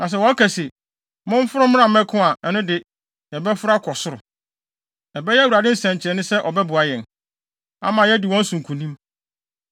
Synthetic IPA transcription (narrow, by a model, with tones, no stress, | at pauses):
nã˨s̬ɛ˨wɔ˦a˦kʰɛ˨sɪ˨ | mʊ̃˦m˦fʊ˦ɾʊ˦m̃˦ã˦˨mɛ˦kʰʊ̃˦a˨ʔɛ˨nʊ̃˦dɪ˨ | jɛ˨bɛ˦fʊ˦ɾa˦kʰɔ˨sʊ˦ɾʊ˨ | ɛ˨bɛ˦jɛ˦wu˨ɾa˨dɪ˦n̩˦sɛ̃˨ɲ˨t͡ɕʰɪ˨ɾɛ˨nʊ̃˦sɛ˦ʔɔ˨bɛ˦bʊ˨a˨jɛ̃˨n | a̰˦˨mã˨jɛ˦dɪ˨wɔ̃˦n̩˦sũ˨ŋ̩˨kʰũ˨nĩ˦m